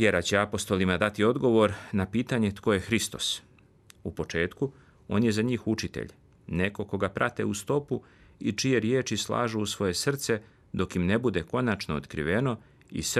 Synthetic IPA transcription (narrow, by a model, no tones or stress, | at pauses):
ʋjeɾat͡ɕe̞apo̞st̪o̞limad̪at̪io̞d̪ɡo̞ʋo̞ɾnapiːt̪aɲe̞t̪ko̞jexɾist̪o̞̰s | upo̞t͡ʃe̞ːt̪ku | o̞ːnje̞zaɲiːxut͡ʃit̪ḛʎ | ne̞ko̞ko̞ɡapɾʔa̰t̪e̞̰ust̪o̞pu | it͡ʃije̞ɾje̞ːt͡ʃislˠa̰ːʒuːsʋo̞je̞sr̩t̪se̞ | d̪o̞kimne̞bud̪e̞ko̞nat͡ʃnoo̰t̪kɾḭʋe̞no̞ | ḭs